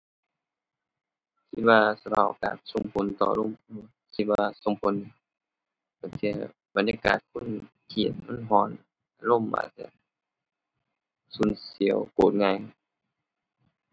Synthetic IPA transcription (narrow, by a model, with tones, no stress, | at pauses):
sʰi˧˥waː˧sa˧pʰaː˧˩ʔka̰ː˨˩nso˧ŋpʰo˧˨˦nt̪ɔː˧˨˧lo˧˥˨u˧˩ | si˧waː˧so˧˦ŋpʰo˧˦nː˧ | ba˨˩˨nsi˧ə | ba˨nɲaː˧ka̰ː˨˩t̪̚kʰu˧˥˨n | t̪ʰiː˨˩˨t̪̚ma˧˥˨nɦɔː˧˩n | ʔa˧lo˧˥˨mːa̰ː˧sḭ˧ə˨ | su˧˦˨nsi˨˦ə˦wkoː˨˩t̪̚ŋaː˧j